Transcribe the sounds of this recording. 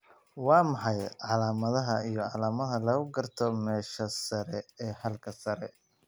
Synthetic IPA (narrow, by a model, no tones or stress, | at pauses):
wɑːmɑħɑjʕɑlaːmɐðɐɦɐijɞʕɑlaːmɐðɐlɐɣʊɡɐrt̪ʰɔmɛːʃɐsɐɾɛɛːhɐlkʰɐsɐɾɛ